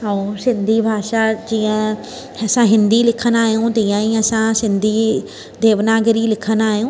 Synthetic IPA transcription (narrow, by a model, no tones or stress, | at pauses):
əũːsɪ̃nd̪ʱibʱaːʃad͡ʑiːə̃ | ɐsãɦɪ̃nd̪ilɪkʰənaːɦijũt̪iːə̃ĩɐsãsɪ̃nd̪ʱi | d̪ʱeːʋnaːɡəɾilɪkʰənaːɦjũː